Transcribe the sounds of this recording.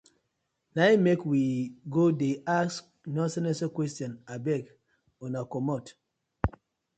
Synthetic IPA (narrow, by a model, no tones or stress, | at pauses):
najmekwiɡodeas | nɔ̃nsɛnɛ̃sakwɛstɔ̃nabɛk | ɔ̃nakɔmɔt